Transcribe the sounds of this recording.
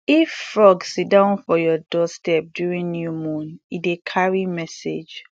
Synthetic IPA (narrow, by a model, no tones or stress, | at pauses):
iffɹɔɡsit̚dãʊ̃nfɔjɔdɔstɛp̚djuɹĩŋnjumũnidekʰaɹimɛsḛd͡ʒ